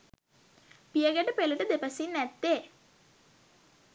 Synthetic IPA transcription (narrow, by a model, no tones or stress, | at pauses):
piɐɡɐʈəpelɐʈəd̪epɐsinːæt̪ːe